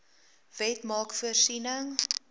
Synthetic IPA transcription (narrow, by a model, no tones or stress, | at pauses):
vɛtmɑːkfuərsinəŋ